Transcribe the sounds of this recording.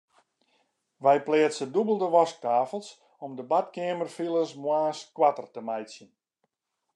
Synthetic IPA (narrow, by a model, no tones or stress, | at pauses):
ʋɛjplɪːəsədubəlˠdəʋɔsk̚taːfəlˠs | ɔmdəbatkɪəmərfilˠəsmwaːskwatərtəmajsjən